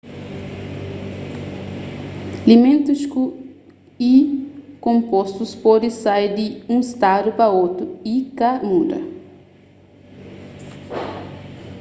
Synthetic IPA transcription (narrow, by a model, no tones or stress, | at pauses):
limẽnt̪usku | ikõmpost̪uspɔd̪ɪsajd̪ɪũist̪ad̪upɐot̪ɾuikamud̪ɐ̰